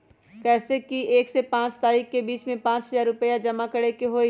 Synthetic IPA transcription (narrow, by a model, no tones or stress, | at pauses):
kɛːsekieːksepãːt͡ʃt̪aːɾiːxkebiːt͡ʃmẽpãːt͡ʃɦɐzaːɾːʊpəjad͡ʒɐmakɐɽekiɦoːi